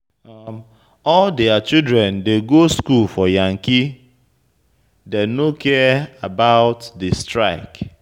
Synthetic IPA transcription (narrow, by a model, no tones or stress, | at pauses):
m | ɔldeat͡ʃidɾɛ̃ndeɡoskulfɔjaŋ̩ki | denokɛabaʊtdɪstɹaɪk